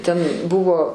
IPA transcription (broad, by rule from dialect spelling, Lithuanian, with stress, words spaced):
tʲɛn ˈbʊʋoː